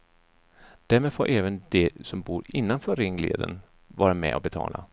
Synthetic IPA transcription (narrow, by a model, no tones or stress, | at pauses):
d̪̥æɾmeːd̪foːʔɛːvənd̪̥ɛsɔmbuːɾɪnːanfœːɾɪŋːlḛːd̪ən | vɑːɾamɛ̰ʔɔbɛt̪ʰɑ̰ːla̰